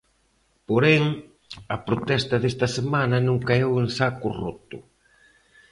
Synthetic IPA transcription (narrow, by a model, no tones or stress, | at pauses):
poɾɛŋ | ɐpɾot̪ɛst̪ɐðest̪ɐsemanɐnũŋkaeweŋsakʊ̰rot̪ʊ̰